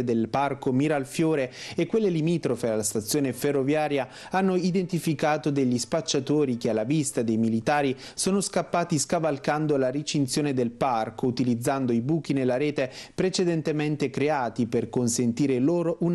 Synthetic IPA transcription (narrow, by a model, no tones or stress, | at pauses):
d̪elparkomiːɾaːlfjoːɾeekːwelːelimiːt̪ɾofealːast̪at̪sːjoːneferːovjaːɾja | anːoid̪ent̪ifikaːt̪od̪eʎːispat͡ʃːat̪oːɾikealːavist̪ad̪ejmilit̪aːɾi | soːnoskapːaːt̪iskavalkand̪olaɾit͡ʃint̪sjoːned̪elparkout̪ilid̪zːand̪oibuːk̟inelːaɾeːt̪epɾet͡ʃed̪ɛnt̪ement̪ekɾeaːt̪iperkonsent̪iːɾeloːɾoʔun